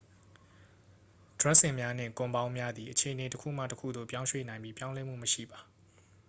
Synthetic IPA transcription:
d̥ɹa˦ʔsɪ̃˨mja˦n̥ɪ̰̃˦˨ŋkʊ̃˨mbã˦ʊ̃mja˦d̪i˨ʔət͡ɕʰe˨ʔəne˨təkʰṵ˦˨m̥a̰˦˨təkʰṵ˦˨d̪o̰˦˨pjã˦ʊ̃ʃwḛ˦˨nã˨ɪ̃mbji˦pjã˦ʊ̃lɛ˦m̥ṵ˦˨məʃḭ˦˨ba˨

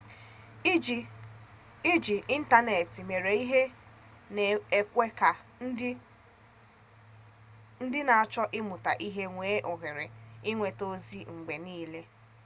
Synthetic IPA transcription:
i˦d͡ʒi˨ʔi˦n̩˦ta˦ne˨ti˨me˨ɾe˨i˦ɦe˦ | ne˨e˦kʷe˦ka˨˦ | n̩˦dɪ˦na˨a˨t͡ʃɔ˦ʔɪ˦mʊ˨ta̰˨ʔi˦ɦe˦ŋʷeː˨˦ʔo˨ɣe˨ɾe˨ɪ˦ŋʷe˨to˦zi˦ŋ͡m̩˨ɡ͡be˨niː˦le˦

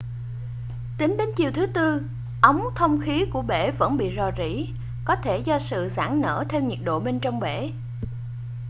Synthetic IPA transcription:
t̪ï˨˦ŋɗe˨˦nt͡ɕi˨˩wt̪ʰɨ˨˦t̪ɨ˧ | ʔə˨˦wŋ͡mt̪ʰə˧wŋ͡mxi˨˦ku˧˩əɓḛ˧˩və̰˧˥nɓḭ˧˨zɔ˨˩zḭ˧˥ | kɔ˨˦t̪ʰe˧˩zɔ˧sɨ̰˧˨za̰ː˧˩ŋnə̰ː˧˩t̪ʰe˧wɲi˨˩k̚ɗo̰˧˨ɓe˧nt͡ɕɔ˧wŋ͡mɓḛ˧˩˨

